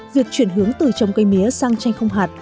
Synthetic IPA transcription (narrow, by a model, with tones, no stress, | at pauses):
vi˨˩ək̚t͡ɕwi˧˨ənɦɨ˨˦əŋt̪ɨ˨˩t͡ɕə˨˩wŋ͡mkə˧jmi˨˦əsaː˧ŋt͡ɕa˧jŋ̟xə˧wŋ͡mɦaː˨˩t̚